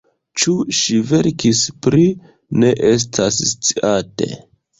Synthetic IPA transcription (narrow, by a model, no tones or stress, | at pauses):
t͡ʃuʃive̞ɾkispɾi | ne̞ʔes̬tʰasst͡siʔate̞̰